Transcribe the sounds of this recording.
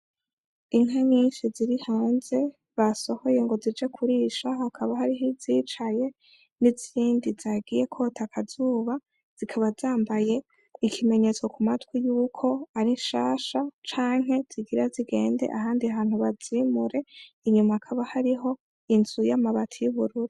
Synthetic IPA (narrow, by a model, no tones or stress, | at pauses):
iŋ̥ɦaɲiːnʃiziɾihaːnze̞ | βaso̞ho̞je̞ŋɡo̞zid͡ʒe̞kʰuɾiʃahakʰaβaɦaɾiɦiziːt͡ʃaje̞ | niziɾiːndizaɡije̞kʰo̞ːtʰakʰazuːβa | z̥ikʰaβazaːmbaje̞ | ikʰime̞ɲe̞t͡so̞kumatwijuːkʰo̞aɾiʃaːʃat͡ʃaːŋɦe̞z̥iɡiɾaziɡe̞̰ːnde̞̰ʔaɦaːndiaɦaːn̥huβazimuɾe̞ | iɲumaːkʰaβahaɾiɦo̞ | inzujamaβatʰijuβuɾuɾu